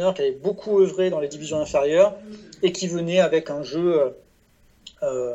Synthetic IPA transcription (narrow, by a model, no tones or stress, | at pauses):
nœʁkʲiavɛbokʰuøvʁed̪ɑ̃led̪ivizjɔ̃ɛ̃feʁjœʁekʲʰivənɛavɛkɛ̃ʒøø | ø